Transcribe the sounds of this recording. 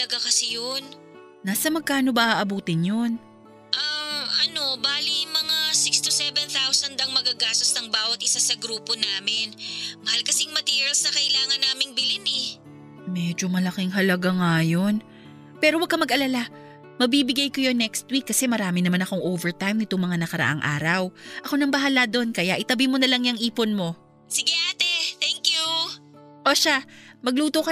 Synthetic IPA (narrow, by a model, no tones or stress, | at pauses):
ɐlɐɡakɐsɛjonː | aːsɐmɐɡ̚kːaːno̞bɐʔaʔɐbuːt̪ɪnjon | ʔaʔɐno̞baːlimɐŋasɪkst̪usɛvɛnθawsɐnd̪ɐŋmɐɡaɡaːst̪osnɐŋbaːwɐt̪̚ʔɪsasɐɡɾuːponaːmɪnmɐhalkɐsɪŋmɐt̪iːɹiɐlsnɐkɐʔɪlaːŋɐnːaːmɪŋbɪlɪnɛ | mɛd͡ʒo̞mɐlɐkɪŋɦɐlɐɡaŋajo̞n | pɛːɾowɐɡ̚kːɐmɐɡʔɐlala | mɐbibɪɡajkojonːɛkst̪wikːɐsɛmɐɾaːmɪnɐmanɐko̞ŋʔoːvɛɹt̪ajmnɪt̪oŋmɐŋanɐkɐɾɐ̰ʔa̰ŋʔa̰ːɾɐwʔɐko̞nɐŋbɐɦaːlad̪o̞nkɐjaʔɪt̪ɐbimo̞nɐlɐŋjɐŋʔiːponmo̞ | sɪɡɪʔaːt̪ɛt̪ɛŋkju | ʔoʃamɐɡ̚luːt̪okɐ